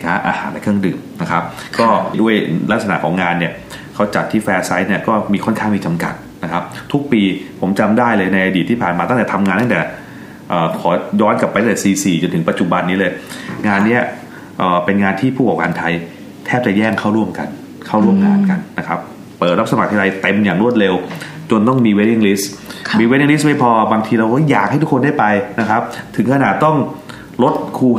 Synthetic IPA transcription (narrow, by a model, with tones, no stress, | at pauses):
kʰaː˦˥ʔa̰ː˧ha̰ː˩˦npa˧jkʰɯ˥˩əŋdɯ̰ː˨˩mna˦˥kʰa˦˥p̚kɔː˥˩du˥˩əjla˦˥k̚sa˧na̰˨˩kʰɔː˩˦ŋaː˧nːi˥˩ɐ | kʰa˦˥wt͡ɕa˨˩t̪ʰːiː˥˩fɛː˦˧˥sa˦˥jni˥˩ɐkɔː˥˩miː˧kʰɔ˥˩nkʰaː˥˩ŋmiː˧t͡ɕa˧mka̰˨˩t̪̚na˦˥kʰa˦˥p̚t̪ʰu˦˥k̚piː˧pʰo˩˦mt͡ɕa˧mdaː˥˩jlɤː˧jna˧jʔa˧diː˨˩t̪ʰːiː˥˩pʰaː˨˩nmaː˧a˥˩ŋt̪ɛ˨˩t̪ʰa˧mŋaː˧nt̪a˥˩t̪ɛ˨˩ | ʔəː˨˩kʰɔː˩˦jɔː˦˥ntka˨˩pa˧j̪t̪t̪ɛ˨˩siː˧siː˨˩t͡ɕo˧nt̪ʰɯ˩˦pa˧˦t̪̚t͡ɕu˨˩ba˧nːi˦˥lɤː˧jŋaː˧nːi˦˥ɐ | ʔəː˨˩pe˧nŋaː˧nt̪ʰiː˥˩pʰu˥˩kɔː˨˩kaː˧nt̪ʰa˧j | t̪ʰɛː˥˩p̚t͡ɕa˨˩jɛː˥˩ŋkʰa˥˩wɾu˥˩əmka̰˧n | kʰa˥˩wɾu˥˩əmŋaː˧nka˧nːa˦˥kʰɾa˦˥p̚ː | əɤː˨˩ɾa˦˥p̚sa˧ma˨˩k̚t̪ʰːɾa˧jt̪e˧mjaː˨˩ŋɾu˥˩ət̪̚ɾe˧w | t͡ɕo˧nt̪ɔ˥˩ŋmiː˧we˦˥ti˧ŋli˦˥smiː˧we˦˥i˧ŋli˦˥sma˥˩jpʰɔː˧baː˧ŋt̪ʰiː˧ɾa˧wkjaː˨˩k̚ha˥˩t̪ʰu˦˥kʰnda˥˩jpa˧jna˦˥kʰɾa˦˥p̚t̪ʰɯ˩˦ŋkʰa˧naː˨˩t̪ːɔ˥˩ŋ | lo˦˥t̪̚kʰuː˧